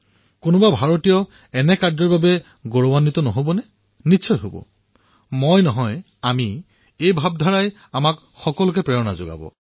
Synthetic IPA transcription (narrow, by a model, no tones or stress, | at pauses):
konʊbabʱaɹotijɔ | ɛnɛkaɹdɔɹbabɛ | ɡoɹɔwanːit̪ɔnɔɦobɔnɛ | nitːʃʰɔjɦobɔ̰ | mojnɔɦɔj | ami | ejbʱab̚dʱaɹaj | amak | xɔkɔlʊkɛpɹɛɹɔna̰zo̰ɡa̰bɔ̰